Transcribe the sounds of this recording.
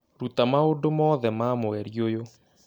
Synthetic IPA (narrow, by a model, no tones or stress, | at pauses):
ɾutamaondomɔðɛmamoɛɾiojo